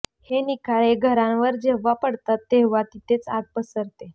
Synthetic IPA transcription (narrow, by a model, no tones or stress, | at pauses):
henikaɭeɡʱəɾãnʋəɾd͡ʑeʋapəɽt̪at̪ːeʋat̪it̪ʰet͡saɡ̚pəsəɾt̪e